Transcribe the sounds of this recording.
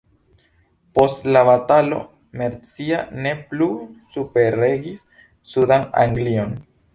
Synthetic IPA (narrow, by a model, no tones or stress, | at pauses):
po̞stlabatalo̞̰ | me̞ɾt͡siane̞plusupe̞ɾe̞ɡisː | udana̰ŋɡlio̞n